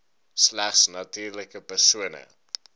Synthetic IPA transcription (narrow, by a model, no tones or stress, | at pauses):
slæχsnɐtyːrləkəpərsuənə̰